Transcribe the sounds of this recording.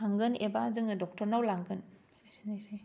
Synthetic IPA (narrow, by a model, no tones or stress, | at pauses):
aŋɡɯnebazɯŋɯdɔk̚tɔɾnawlaŋɡɯn | asinasaj